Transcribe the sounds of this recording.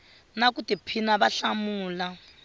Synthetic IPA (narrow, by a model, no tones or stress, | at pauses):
nakutipʰinaβaɬamuːla